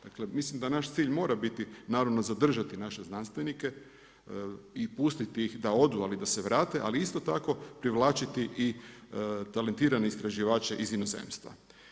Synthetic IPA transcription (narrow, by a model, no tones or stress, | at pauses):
d̪̥akle̞mislimd̪anaʃt̪siːʎmo̞ːɾabit̪inaːɾaʋno̞zad̪r̩ʒat̪inaʃe̞znanst̪ʋenike̞ | ipust̪it̪iixd̪ao̞d̪ualid̪aseʋɾaːt̪e̞ʔa̰liist̪o̞t̪ako̞pɾiʋlaːt͡ʃit̪iʔi | t̪ale̞nt̪iːɾaneist̪ɾaʒiʋaːt͡ʃeʔizino̞zḛmst̪ʋa̰